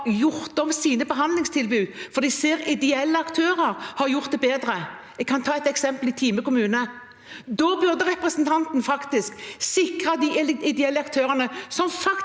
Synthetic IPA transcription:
jʊɾt̪ɔmsiːnəbəɦɑnd̪lɪŋst̪ʰɪlbʉːfɔɾd̪iseːɾɪd̪ɛɛlːəɑkt̪ʰøːɾəɾhɑɾjʊʁt̪̚d̪ɛbeːd̪ɾə | ɛɡ̚kʰɑnt̪ʰɑːɛt̪ɛksɛmpəlɪt̪ʰiːməkʊmʉːnə | d̪ɔːbʉʁd̪əɾɛpɾɛsnt̪ʰɑnt̪n̩fɑkt̪ɪsksɪkɾɑd̪ɪʔ̪ɪd̪ɛɛlːəɑkt̪ʰøːɾənəsɔmfɑk

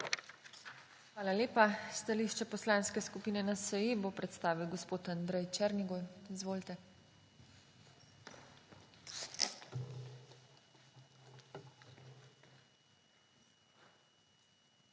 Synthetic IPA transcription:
xʋaːlaleːpast̪aliʃt͡ʃɛpɔslãːnskɛskupiːnɛnasəjebopɾɛt̪st̪aːʋiwɡɔspoːt̪and̪ɾɛjt͡ʃɛɾniɡojizʋoːlt̪ɛ

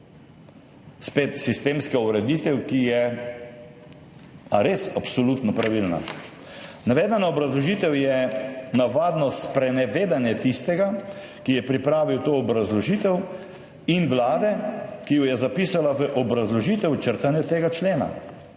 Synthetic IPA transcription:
speːt̪sist̪eːmskauɾɛd̪it̪ɛwkijɛ | aɾesapsɔlut̪nɔpɾaʋilna̰ | naʋeːd̪anaɔbɾazlɔʒit̪ɛwjɛnaʋaːd̪nɔspɾɛnɛʋeːd̪anjɛt̪ist̪ɛɡa | kijɛpɾipɾaːʋiwt̪oːɔbɾazlɔʒit̪ɛw | inʋlaːd̪ɛkijɔjɛzapiːsalaʋəʔɔbɾazlɔʒit̪ɛwt͡ʃəɾt̪anjɛt̪eːɡat͡ʃleːna̰

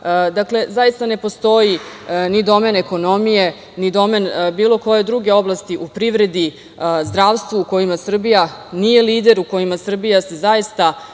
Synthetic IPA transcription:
d̪akle̞zaist̪ane̞po̞st̪o̞jinid̪o̞me̞ne̞ko̞no̞mije̞ | nid̪o̞me̞nbiːlo̞ko̞je̞d̪ɾuɡe̞o̞blˠast̪iʔupɾiʋɾe̞d̪i | zd̪ɾaːʋst̪ʋuːko̞jimasr̩bijanije̞liːd̪e̞ɾuko̞jimasr̩bijase̞zajist̪a

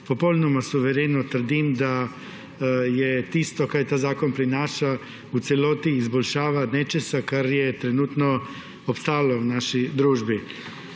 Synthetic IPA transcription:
pɔpowlnɔmasuʋɛɾeːnɔt̪əɾ̩d̪imd̪a | jɛt̪ist̪ɔkaɾjɛt̪aːzaːkɔnpɾinaːʃa | ut̪sɛloːt̪iːzbɔlʃaːʋanɛt͡ʃɛsakaɾjɛt̪ɾɛnuːt̪nɔ | ɔpst̪aːlɔwnaːʃid̪ɾuːʒbi

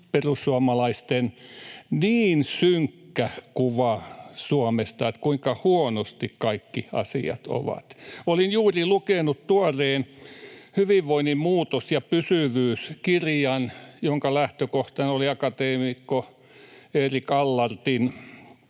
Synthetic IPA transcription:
perussuɑmɑlɑist̪enniːnsyŋkːæhkuʋɑsuomest̪ɑet̪kuiŋkɑhuonost̪ikkɑikːiɑ̰sḭɑ̰t̪o̰ʋɑ̰t̪olinjuːrilukenutt̪uɑreːnhyʋiʋʋoinimmuːt̪osjɑpysyʋyːskirjɑnjoŋkɑlæht̪økoht̪ɑnoliɑkɑt̪eːmikːo | eːrikɑlːɑrt̪in

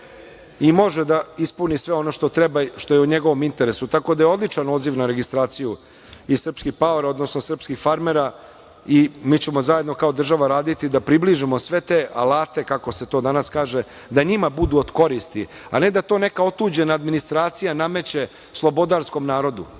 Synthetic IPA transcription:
imo̞ʒed̪aispunisʋe̞o̞no̞ʃt̪ot̪ɾebaʃt̪o̞jeuɲeɡo̞ʋo̞mint̪eɾesut̪ako̞d̪ajeo̞d̪lˠit͡ʂano̞d̪ziʋnaɾe̞ɡist̪ɾaːt̪siju | isr̩pskixpaoɾao̞d̪no̞snosr̩pskixfaɾmeɾa | imiːt͡ɕemo̞zaje̞d̪nokao̞d̪r̩ʒaʋaɾaːd̪it̪id̪apɾibliʒimo̞sʋe̞t̪eʔalaːt̪e̞kako̞se̞t̪o̞ːd̪anaskaːʒe̞ | d̪aɲimabud̪uod̪ko̞ɾist̪iane̞d̪at̪o̞ːne̞kao̞t̪uːd͡ʑenaːd̪minist̪ɾaːt̪sijanamet͡ɕe̞ | slˠobo̞d̪aɾsko̞mnaːɾo̞d̪u

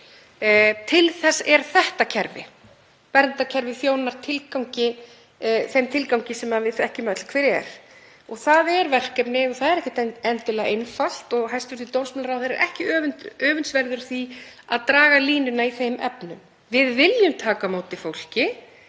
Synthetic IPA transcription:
t̪ʰɪlθɛsɛɾ̥θɛht̪acʰɛɾvɪ̰ | pɛɾnt̪acʰɛɾvɪfjoːwnaɾ̥t̪ʰɪlkawŋcɪ | θejmt̪ʰɪlkawɲcɪsɛmavɪðɛhcɪmɛt̪l̥kʰvɛːɾɪɛ̰ɾ̥ | ɔɣθaðɛɾvɛr̥kɛpnɪɣɔθaðɛɾɛhcɪt̪ɛɛnt̪ɪlɛɣʔejnfal̥t̪ɔɣɦajst̪vʏɾ̥θit̪ownsmɛlɾawθeɾɛ̰ɾʔɛhcɪœːvʏnt̪œːvʏnsvɛɾðʏɾ̥θiaðt̪ɾaːɣaliːnʏnaiθejmʔɛ̰pnʏ̰m | vɪðvɪljʏmt̪ʰaːkamoːwt̪ɪfowl̥cɪ

